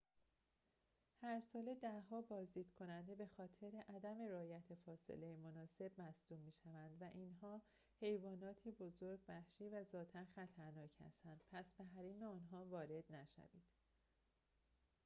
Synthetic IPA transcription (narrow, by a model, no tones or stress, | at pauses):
hæɾsɒːle̞d̪æɦɒːbɒːzd̪iːd̪̥kʰo̞nænd̪e̞be̞xɒːt̪ʰe̞ɾeʔæd̪æme̞ɾɒːjæt̪ʰefɒːsḛle̞jemonɒːse̞bmæsd̪uːbmiːʃævænd̪væʔinɦɒː | he̞jvɒːnɒːt̪ʰiːbo̞zoɾɟbæxʃiːvæzɒːt̪ʰænxæt̪ʰæɾnɒːcʰhæ̰st̪ænd̪̥̚pʰæsbeɦæɾiːmeɒːnɦɒːvɒːɾe̞d̪̥næʃæ̰viːd̪̥